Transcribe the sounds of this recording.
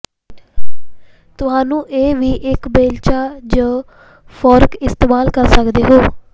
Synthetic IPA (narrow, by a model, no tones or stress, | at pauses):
t̪ʊɦãːnũːʔeːʋiːʔɪkbeːlt͡ʃaːd͡ʒoː | pʰɔːɾkɪst̪eːmaːlkəɾsəkd̪eːɦoː